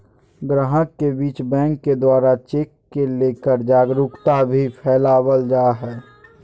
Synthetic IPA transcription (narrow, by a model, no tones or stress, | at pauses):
ɡɾaɦəkːebiːt͡ʃbɛ̃ːŋkːed̪waːɾat͡ʃeːkːeleːkəɾd͡ʒaːɡɾʊkt̪abʱipʰɛːlaːwəld͡ʒaːɦɛː